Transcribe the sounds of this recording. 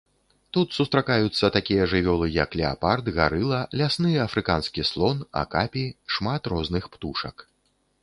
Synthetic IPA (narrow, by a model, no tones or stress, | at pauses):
t̪ut̪sust̪ɾakajut̪sːɐt̪akʲijɐʐɨvʲɔlˠɨjɐklʲɛa̰pard̪ɣa̰ɾɨlˠɐlʲasnɨjɛɐfɾɨkanskʲislˠɔna̰kapʲiʂmat̪rɔznɨxpt̪uʂɐ̰k